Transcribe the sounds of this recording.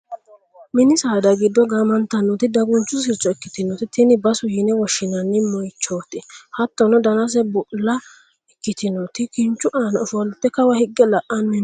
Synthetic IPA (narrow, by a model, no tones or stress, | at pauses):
mɪnɪsaːd̪ɐɡɪd̪ːɔɡaːmɐnt̪ːɐnːɔt̪ɪd̪ɐɡʊnt͡ʃːʊs̬ɪɾt͡ʃʼːɔɛkːɪ̥t̪ɪnɔt̪ɪt̪ɪnɪbɐsʊjɪnɛwɔʃːɪnɐnːɪmɔjt͡ʃːoːt̪ɪhɐt̪ːɔnɔd̪ɐnɐs̬ɛbʊʔlːɐ | ɛkːɪt̪ɪnɔt̪ɪkɪnt͡ʃːʊʔaːnɐɔfʊwɐlʊt̪ːɛkɐwɐhɪɡːɛlɐʔɐnɪn